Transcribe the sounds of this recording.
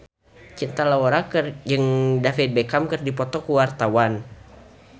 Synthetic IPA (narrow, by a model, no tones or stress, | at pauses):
t͡ʃint̪alawɔɾakd͡ʒɨŋdafit̪̚bɛkamkɨrdipɔt̪ɔkuwart̪awan